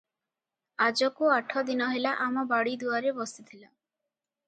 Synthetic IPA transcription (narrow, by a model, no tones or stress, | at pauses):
ad͡ʒɔkoaʈʰɔd̪inɔɦelaʔamɔbaɽid̪uaɾebɔst̪it̪ʰila